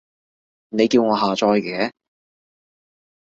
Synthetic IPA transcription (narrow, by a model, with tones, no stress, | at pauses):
ne˨˧jkiː˧wŋɔː˨˧ɦaː˨t͡ʃɔː˧jkɛː˨˥